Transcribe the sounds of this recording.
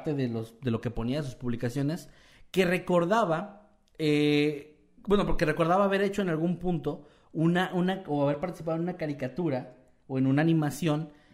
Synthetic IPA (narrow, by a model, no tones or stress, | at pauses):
t̪e̞ðelosðe̞lo̞ke̞po̞niaðes̬uspuβlikasjo̞ne̞s | ke̞re̞ko̞ɾðaβa | e | bwenopoɾkere̞ko̞ɾðaβaːβe̞ɾe̞t͡ʃo̞enalɣumpũnt̪o̞ | unaʔunaoaβe̞ɾpaɾt̪isipaðonũnakaɾikat̪uɾa | oe̞nũnaːnĩmasjo̞n